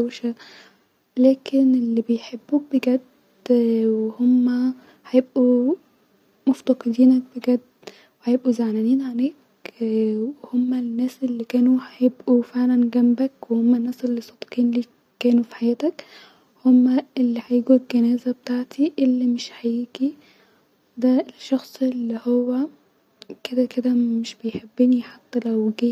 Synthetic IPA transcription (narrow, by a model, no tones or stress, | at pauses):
awʃa | læːkɪnɪlːibɪjħebːuːk̚bɪɡæd̪ | wɪhʊmːa | hajɪbʔu | mʊft̪ɑqɨd̪iːnak̚bɪɡæd̪ | wħajebʔuzaʕnæniːnʕaneːk | wɪhʊmːanːæːsʔɪlːikæːnuhajɪbʔufeʕlænɡæmbækwehomːænːæːsʔelːisˤːɑt̪ˤqiːnliː | kæːnufi̥ħajæːt̪æk | homːæelːiħajiːɡulɡænæːzæbet̪aːʕt̪iʔelːimɪʃħajiːɡi | d̪æelʃːɑxsˤelːihowːæ | ked̪æked̪æmɪʃbejħebːɪniħat̪ːælæwɡiː